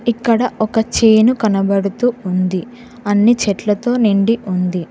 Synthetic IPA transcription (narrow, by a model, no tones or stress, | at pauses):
ikːɐɽɐɔkɐt͡ʃeːnukɐnɐbɐɽut̪uːund̪i | ɐnːit͡ʃɛʈlɐt̪o̞ːniɳɖiʔund̪i